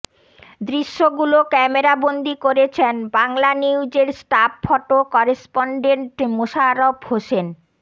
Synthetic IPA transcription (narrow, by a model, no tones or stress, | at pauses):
d̪ɾiʃːoɡulokɛmeɾabond̪ikoɾet͡ɕʰenbaŋlaniud͡ʑeɾsʈapfɔʈokɔɾespɔɳɖeɳʈmoʃaɾobhoʃen